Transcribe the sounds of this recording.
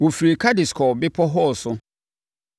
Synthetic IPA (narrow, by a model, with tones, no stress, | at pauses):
wo˨fi˨ɾi˨kʰa˦dɪ˨skʰɔ˨bɪ˦pʰɔ˦ɦɔ˦˨sʊ˦